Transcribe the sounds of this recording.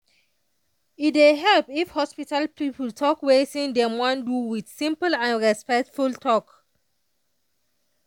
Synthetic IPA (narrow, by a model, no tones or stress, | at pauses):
itdeɦɛlpifhɔspitalpipultʰɔkwesĩndɛ̃mwãnduwidsĩmpəlãnɹɛspɛk̚tfultʰɔk